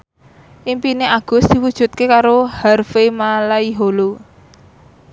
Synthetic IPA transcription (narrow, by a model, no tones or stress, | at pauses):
ʔimpineʔaɡ̥ʊ̤sd̪̥i̤wud̥ʒ̥ṳt̪̚kekaɾoharfemalaiɦolu